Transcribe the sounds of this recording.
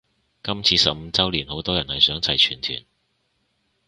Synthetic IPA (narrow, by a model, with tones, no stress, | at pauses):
kɐ˥mt͡sʰiː˨˧˥sɐ˨p̚m̩˨˧t͡sɐ˥wliː˨˩nho˨˥wt̪ɔː˥jɐ˨˩nhɐ˨jsœː˨˥ŋt͡sʰɐ˨˩jt͡ʃʰyː˨˩nt̪ʰy̰ː˨˩n